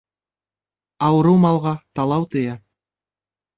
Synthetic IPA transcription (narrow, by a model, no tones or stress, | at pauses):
ɑwɤ̆ɾɤwmɑlˠʁɑt̪ɑlˠɑwt̪ɤ̆jɑ